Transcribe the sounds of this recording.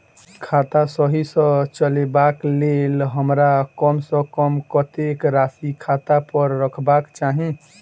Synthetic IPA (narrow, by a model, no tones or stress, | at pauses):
kʰat̪asʌɦisʌ̃t͡ʃəlebaklelɦəmɾakʌmsʌ̃kʌmkʌt̪ekɾasikʰat̪apʌɾːəkʰbakt͡ʃaɦĩ